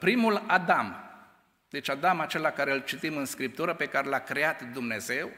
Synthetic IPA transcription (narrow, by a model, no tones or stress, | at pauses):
pɾimulad̪am | d̪e̞t͡ʃad̪amat͡ʃe̞lakaɾe̞ɨlt͡ʃit̪imɨnskɾip̚t̪uɾəpe̞kaɾe̞lakɾe̞at̪d̪umne̞ze̞w